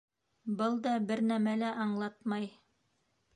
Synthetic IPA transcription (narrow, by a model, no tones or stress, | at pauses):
bɤlˠd̪ɑbɘɾnæmælæʔɑɴlˠɑt̪mɑj